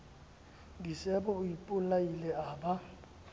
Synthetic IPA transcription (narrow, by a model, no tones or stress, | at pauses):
ŋɡisɛbɔujipʼulajilɛaːba